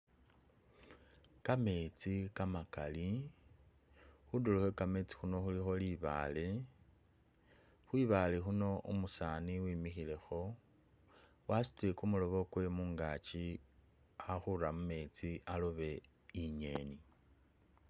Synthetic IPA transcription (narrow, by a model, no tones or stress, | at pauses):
kame̞t͡sikamakali | xuduloxwekame̞t͡si̥xuno̞xulixo̞liβa̰ːle̞ | xwiβalexuno̞ʔumusaniwiːmixile̞xo̞ | wasi̥twekumulo̞βo̞kwe̞muːŋɡat͡ʃi | axuɾamume̞t͡sialoβe̞ | iɲe̞̰ːni